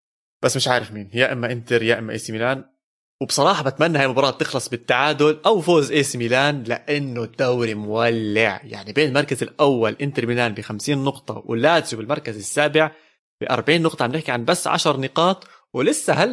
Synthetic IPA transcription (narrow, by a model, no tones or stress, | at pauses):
b̥asːmɪʃʕaːɾɪfmiːnjaʔɪmːaʔɪnt̪ɪɾjaːʔɪmːaʔḛːsimiːlaːn | wbsˤɑɾˤɑːħɑbat̪manːahaːjmʊbɑɾɑːt̪ːɪxlɑsˤbɪt̪ːaʕaːd̪ʊlʔawfoːzʔeːsimiːlaːnlɪʔanːod̪̥ːawɾimʊwalːɪʕja̰ʕnibeːnɪlmɑɾˤkazɪlʔawːalʔɪnt̪ɪɾmiːlaːnbɪxamsiːnːʊqt̪ˤɑ̰wlaːt̪zubɪlmɑɾˤkazɪsːaːbɪʕ | b̥ɪʔɑ̰ɾˤbʕiːnːʊqt̪ˤɑʕbnɪħkiʕanbasːʕa̰ʃɑɾˤnɪqɑːt̪ˤ | wlɪsːahal